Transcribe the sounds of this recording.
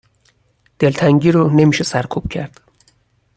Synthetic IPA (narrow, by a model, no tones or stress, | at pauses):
d̪̥e̞lt̪ʰæŋɟiːɾone̞miːʃesæɾkʰub̥̚cʰæɾd̪̥